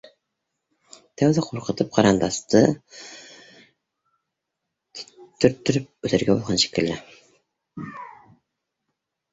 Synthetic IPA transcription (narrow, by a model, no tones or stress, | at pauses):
t̪ʰæwðæqʰoɾqʰə̆t̪ʰɨp̚qʰɑɾɑnd̪ɑst̪ɤ | t̪ʰːyɾt̪ːyɾyp̚ɵt̪ʰæɾɡʲæbolˠʁɑnʃe̥kʲɪlːæ